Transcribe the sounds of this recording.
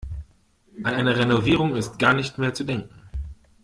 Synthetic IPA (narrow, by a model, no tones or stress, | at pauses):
ʔanaɪnəʁenoviːʁʊŋɪst̚ɡ̥aːɐnɪçtmeːɐt͡sudɛŋkŋ̩